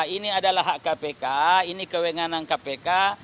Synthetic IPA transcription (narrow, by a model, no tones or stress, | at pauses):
iniadalaɦaʔkapekainikəweŋanankapeka